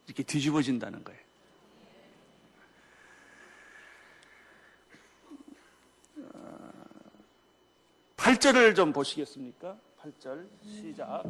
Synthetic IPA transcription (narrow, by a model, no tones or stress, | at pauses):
iɾʌkʰetid͡ʑibʌd͡ʑinda̰nɯ̰nɡʌ̰e | pʰaɭt͡ɕ͈ʌɾɯɭt͡ɕompoɕʰiɡe̞s͈ɯmɲik͈a | pʰaɭt͡ɕ͈ʌɭɕʰid͡ʑa